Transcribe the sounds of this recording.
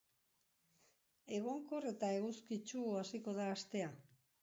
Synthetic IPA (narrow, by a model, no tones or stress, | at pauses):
e̞ɣoŋko̞re̞t̪ae̞ɣuskit͡ʃuasiko̞ðaːst̪e̞a